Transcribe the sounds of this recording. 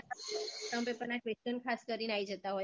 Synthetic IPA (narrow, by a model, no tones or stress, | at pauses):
t̪ə̃mpẽpənakʋest͡ɕənkʰaskəɾinaid͡ʒət̪aɦoj